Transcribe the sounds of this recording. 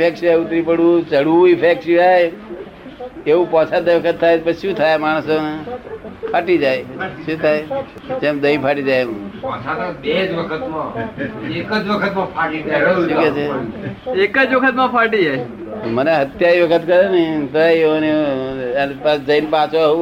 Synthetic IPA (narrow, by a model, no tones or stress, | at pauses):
pʰeksaut̪ɾipəɽũt͡ʃəɽuɪpʰeksjuae | eũpat͡ʃʰad̪aʋəkʰət̪ʰːajpəʃũt̪ʰajmaːɽ̃əso | pʰaʈid͡ʒajʃũt̪ʰae | t͡ʃemd̪əĩpʰaʈid͡ʒajũpat͡ʃʰat̪abed͡ʒʋəkʰət̪mã | ekəd͡ʒʋəkʰət̪mãpʰaʈit̪aiket͡ʃʰe | ekəd͡ʒʋəkʰət̪mãpʰaʈia | məneɦət̪jaɾiʋəkʰət̪kəɾenit̪oaone | npad͡ʒəinpãt͡ʃou